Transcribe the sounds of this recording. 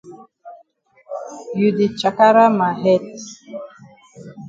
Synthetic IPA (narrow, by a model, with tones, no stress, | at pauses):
ju˨di˨t͡ʃa˨ka˦ɾa˦ma˨ɦɛ˦t